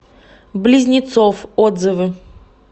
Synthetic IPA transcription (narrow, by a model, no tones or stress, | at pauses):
blʲɪzʲnʲɪt̪sofod̪zɨvɨ